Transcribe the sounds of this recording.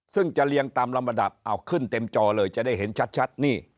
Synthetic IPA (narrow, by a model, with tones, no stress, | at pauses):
sɯ˥˩ŋt͡ɕa˨˩li˧əŋt̪aː˧mla˧mːa˧nda˨˩p̚ʔa˨˩wkʰɯ˥˩nt̪e˧mt͡ɕɔː˧lɤː˧jt͡ɕa˨˩daː˥˩ɦe˩˦nt͡ɕʰa˦˥t̪̚t͡ɕʰa˦˥t̪̚niː˥˩